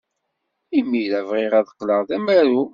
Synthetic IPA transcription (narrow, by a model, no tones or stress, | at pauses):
imːilævʁiʁæðəqːləʁðæmæɾu